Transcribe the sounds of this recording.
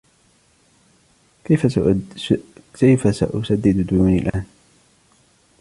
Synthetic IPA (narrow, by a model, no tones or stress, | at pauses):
kajfasa̰ʔʊsad̪ːɪd̪d̪uːnɪlʔaːn